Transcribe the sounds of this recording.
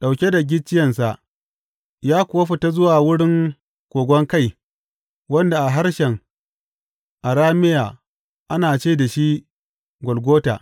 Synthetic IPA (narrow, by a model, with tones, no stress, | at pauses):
ɗa˨wkʲe˦da˨ɡʲɪ˦t͡ʃːɪ˦jɛ˨ns̬a˨ʔ | jaː˦kʷʊ˨wa˦ɸi˨ta˦zʊ˦waː˨wʊ˦ɽɪ˦ŋ | kʷoː˨ɡʷɔ˦ŋka˦˨j | wɐ˦nda˨ʔa˨ɦa˦ɾʃɛ˨ŋ | ʔa˨ɾaː˦mɪ˦jaː˨ | ʔa˦naː˨t͡ʃeː˦˨da˨ʃi˦ | ɡʷɔ˨lɡʷoː˦ta̰ː˨